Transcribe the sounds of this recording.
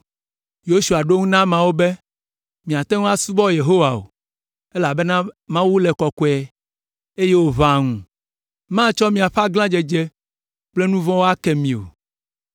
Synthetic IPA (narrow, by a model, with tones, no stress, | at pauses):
jo˦su˨a˨ɖo˦ŋũ˦nã˦mã˨wo˦be˦ | mĩ˨a˨t̪ɛ˦ŋũ˦a˦su˦bɔ˦je˨ɦo˦wa˨o̰˨ | e˦la˨bɛ˦nã˦mã˦wu˦lɛ˨kɔ˨kɔ˨˦ɛ˨ | e˦je˦wo˦βã˨ŋũ˨ | mã˦t͡ʃɔ˦mĩ˨a˨ɸa˦ɡlã˦d͡ʒɛ˨d͡ʒe˦ | k͡plɛ˦nũ˦vɔ̃˦wo˦a˦kɛ˨mĩ˨o̰˨